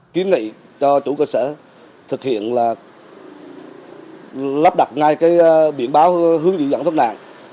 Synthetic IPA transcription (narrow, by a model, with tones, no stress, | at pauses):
ki˨˦ənŋḭ˧˨ | t͡ɕɔ˧t͡ɕṵ˧˩kəː˧səː˧˩ | t̪ʰɨ˨˩k̚hḭ˧˨ənlaː˨˩ | la˦˥p̚ɗa˨˩t̚ŋa˧jkaː˨˦jɓḭ˧˩ənɓaː˨˦wɦɨ˨˦əŋzḭ˧˨zaː˧˩nt̪̚ʰna̰ː˧˨ŋ